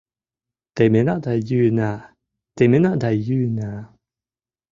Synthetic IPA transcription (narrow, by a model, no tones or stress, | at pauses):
t̪emenaʔd̪ajyna | t̪emenaʔd̪ajyna